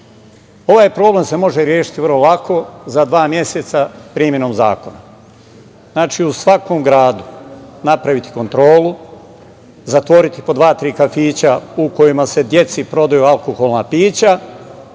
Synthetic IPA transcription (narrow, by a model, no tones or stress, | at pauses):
o̞ʋaːjpɾo̞ːble̞mse̞mo̞ʒeɾje̞ːʃi̥t̪iʋərɾlolˠako̞zad̪ʋaːmje̞set̪sapɾiːmje̞noːmza̰ːko̞na | znaːt͡ʃiusʋako̞mɡɾaːd̪unapɾaʋit̪i̥ko̞nt̪ɾo̞ːlu | zat̪ʋo̞ɾit̪i̥po̞d̪ʋaːt̪ɾiːkafiːt͡ɕauko̞jimase̞d̪je̞t̪sipɾo̞d̪ajualˠkoxo̞lˠnapiːt͡ɕa